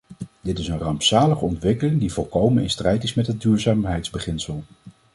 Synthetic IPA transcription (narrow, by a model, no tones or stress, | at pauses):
d̥ɪtɪsənrɑmpsaːləχəɔntʋɪkəlɪŋdivɔlˠkowmənɪ̰nstrɛjtɪsmɛtɦəd̚dyːɹzaːmɦɛjtzbəχɪnsəlˠ